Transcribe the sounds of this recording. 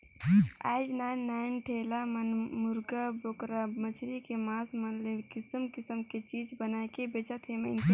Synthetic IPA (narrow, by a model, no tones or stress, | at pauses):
a̰ɪd͡ʒnaːnːaːnʈʰeːlamənmʊɾɡabokɾamət͡ʃʰɾikemaːsmənlekɪsəmkɪsəmket͡ʃiːd͡ʒbənakebeːt͡ʃət̪ɦemeɪnke